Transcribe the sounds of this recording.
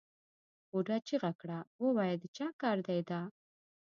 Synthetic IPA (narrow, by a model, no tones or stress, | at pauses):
uɖat͡ʃiɣakɽawəwajad̪ət͡ʃɑkɑɾd̪ajd̪a